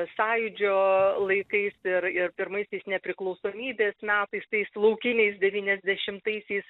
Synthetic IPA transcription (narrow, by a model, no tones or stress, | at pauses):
sɑːjʊd͡ʒʲoːlˠɐɪkɐɪsɪɾɪɾpʲɪɾmɐɪsʲɛɪsnʲɛpʲɾʲɪklˠɐʊsoːmʲiːbʲeːsmʲæːt̪ɐɪst̪ɐɪslˠɐʊkʲɪnʲɛɪsd̪ʲɛʋʲiːnʲɛzʲd̪ʲɛʃʲɪmt̪ɐɪsʲɛɪs